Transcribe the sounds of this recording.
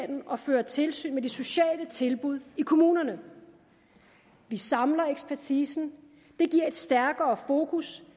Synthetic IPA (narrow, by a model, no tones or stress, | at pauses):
nn̩ɒ̽fø̰ːɐt͡sʰe̝lsy̰ːnmed̥e̝so̝ɕɛ̰ːlət͡sʰe̝lb̥uð̞ˠikʰo̝muːnɐnə | ʋisɑ̈mlɐeɡ̥spʰæɐt͡sʰiːsn̩ | d̥e̝ɡ̥iɐ̰e̝d̥sd̥æɐɡ̥ɐːfo̝ːkʰus